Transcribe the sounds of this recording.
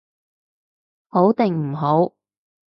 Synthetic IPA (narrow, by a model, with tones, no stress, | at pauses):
ho˨˥wt̪ɪ˨ŋm̩˨˩ɦo˨˥w